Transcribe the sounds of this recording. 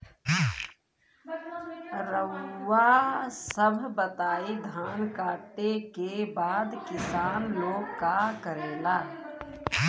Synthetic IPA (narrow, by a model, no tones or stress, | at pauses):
ɾəwːasəbʱbət̪aːid̪ʱaːnkaːʈekebaːd̪kɪsaːnloːɡkakəɾeːlaː